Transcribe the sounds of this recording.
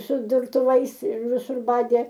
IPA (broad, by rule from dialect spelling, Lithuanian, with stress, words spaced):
sʊ dʊrtʊˈʋɐɪs ɪr ʋʲɪˈsʊr ˈbɑːdʲeː